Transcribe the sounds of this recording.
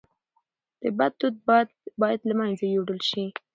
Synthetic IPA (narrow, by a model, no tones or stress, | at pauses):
d̪̥əbad̪̚ːud̪̚ | bɑjad̪lamajnzajoɽəlʃi